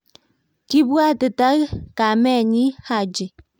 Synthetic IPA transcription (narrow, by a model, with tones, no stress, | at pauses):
ki˦bu˦a˦tɨ˨ta˦ka˨mɛ˦˨ɲi˦ha˨d͡ʒi˨